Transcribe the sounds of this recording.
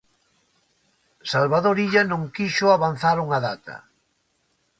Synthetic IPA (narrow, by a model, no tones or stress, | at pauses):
salβaðoɾiʎanõŋkiʃʊaβan̟θaɾuŋaðat̪ɐ̰